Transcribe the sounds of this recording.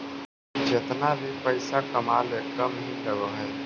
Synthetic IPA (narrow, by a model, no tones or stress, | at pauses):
d͡ʒet̪nalipəɪsakəmalekəmɦiləɡoɦɛː